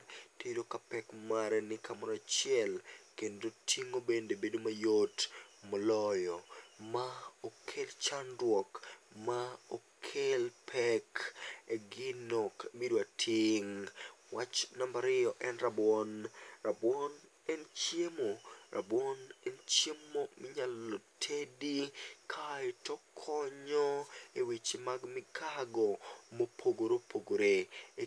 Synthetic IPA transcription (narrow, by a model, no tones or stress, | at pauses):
tiɾokapɛkmaɾɛnɪkʰamɔɾat͡ʃɪjɛlkendotʰiŋobendebedomajotmɔlɔjɔmaokʰelt͡ʃandwɔkmaokʰelpʰɛkeɡɪnokmidwatʰiŋwat͡ʃnambaɾɪjɔʔɛnɾabɔnɾabwɔn | ɛnt͡ʃjemoɾʔa̰bwɔnɛnt͡ʃjemːomɪɲalːotʰedikʰaetɔkʰɔɲɔewit͡ʃemaɡmɪkʰaɡɔmopʰoɡoɾopʰoɡoɾe